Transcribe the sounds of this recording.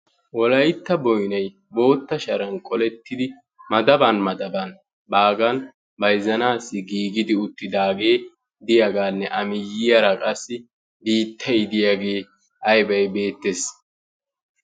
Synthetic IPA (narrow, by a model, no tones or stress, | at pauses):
wɔlɐjt̪ːɐbɔjnɐj | bo̞ːt̪ːɐʃɐɾɐnkʼɔlɛt̪ːɪd̪ɪ | mɐd̪ɐbɐnmɐd̪ɐbɐn | baːɡɐn | bɐjzɐnaːsːɪɡiːɡɪd̪ɪʊt̪ːɪd̪aːɡe̞ː | d̪ɪjaɡaːnːɛʔɐmɪjːɪjɐɾɐkʼɐsːɪ | biːt̪ʰːɐjɪd̪ɪjaɡe̞ː | ʔɐjbɐjbe̞ːt̪ːes